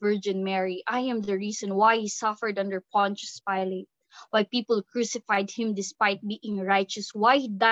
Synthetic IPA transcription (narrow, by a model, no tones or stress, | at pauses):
vɜɹd͡ʒɪ̃nmɛɹiʔajɛ̃mdəɹisɔ̃nwajhisʌfəɹdʌ̃nd̪əɹpʰɔ̃nt͡ʃspajlɪt̪̚ | wajpiːpəlkɹusɪfajd̪̚hɪ̃md̪ɪspajt̪̚biʔɪ̃ŋɹajt͡ʃɔswajd̪a